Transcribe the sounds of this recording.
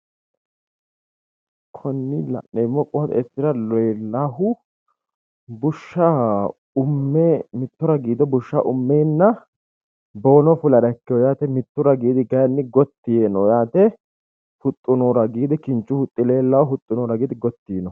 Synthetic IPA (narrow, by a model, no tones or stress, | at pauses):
kʰɔnːɪlɐ̰nːɛmːɔkʼʊhɐt̪ɛsɪɾɐlɔjɛlːaɦʊ | bʊʃːa | ʊmːɛmɪt̪ːɔɾɐɡiːd̪ɔbʊʃːa̰ʔʊmːeːnːɐ | bo̞ːnɔfʊlɐɾɐkːɪjɔjaːt̪ɛmɪt̪ːʊɾɐɡiːd̪ɪɡɐjɐnːɪɡɔt̪ːɪjenɔjaːt̪ɛ | hʊt̪ʼːʊnɔːɾɐɡiːd̪ɪkɪnt͡ʃʼːʊhʊt̪ʼːɪleːlːɐwɔhʊt̪ʼːʊnoːɾɐɡiːd̪ɪɡɔt̪ːiːnɔ